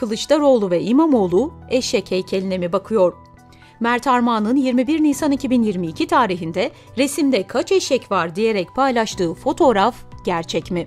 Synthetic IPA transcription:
ɯlˠɯt͡ʃt̪aɾo̞lˠuvɛʔimamo̞lˠuɛʃɛcʰɛjcʰelʲine̞mibakʰɯjo̞ɾ̥ | mæɾt̪ʰaɾmanˠɯnjiɾmibiɾnijsanicʰibinjiɾmiːcʰit̪ʰaːɾiɦind̪ɛ | ɾe̞simd̪ɛkʰat͡ʃɛʃɛcvaɾd̪ije̞ɾɛc̚pʰajlˠaʃt̪ʰɯːfo̞t̪ʰo̞ɾafɟæɾt͡ʃʰɛcmi

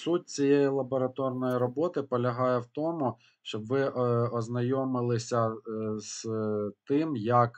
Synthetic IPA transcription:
sut̚ʲt͡sʲijejilˠɐbɔɾɐt̪ɔrnɔjiɾɔbɔt̪ɪpɔlʲɐɦɑjɛwt̪ɔmʊ | ʃt͡ʃɔbʋɪʔɔznɐjɔmɪlˠɪsʲɐz̥t̪ɪmjɐk

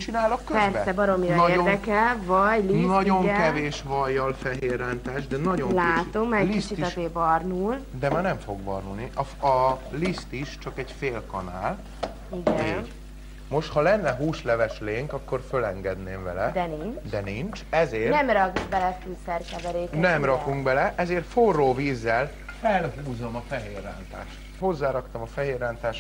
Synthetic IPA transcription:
t͡ʃinaːlokːøpɛrsbɛsɛbɒɾo̞miɾɒeːrd̪ɛkɛlvɒɟlinɒɟoŋɛkɛveːʃvɒjːɒlfɛɦeːrːaːnt̪aːʒd̪ɛnɒɟolaːt̪o̞mːɛkːist͡ʃit̪ɛeːbɒrnuːld̪ɛmaːɾnɛɱfo̞ɡbɒrnulniʔɒɒlist̪iʃt͡ʃɒkɛɟfeːlkɒnaːl | iɡɛenɟ | mo̞ʃt̪hɒlɛnːɛɦuːʃlɛvɛʃleːŋkɒkːo̞rfølɛŋɡɛd̪neːɱvɛlɛd̪ɛnint͡ʃd̪ɛnint͡ʃɛzeːrnɛmrɒkuɡbɛlɛfyːsɛrkɛvɛɾeːknnɛmrɒkuŋɡbɛlɛʔɛzeːrt̪foroːviːzːɛl | fɛlɦuːzo̞mɒfɛɦeːrːaːnt̪a̰ːʃt̪ho̞zːaːɾɒkt̪ɒmɒfɛɦeːrːaːnt̪aːʃ

